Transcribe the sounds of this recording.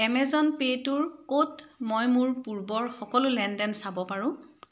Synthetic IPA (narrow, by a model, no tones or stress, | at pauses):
ɛmɛzɔnpetʊɹkotmɔjmuɹpuɹbɔɹxɔkɔlʊlɛndɛnsabɔpaɹʊ̃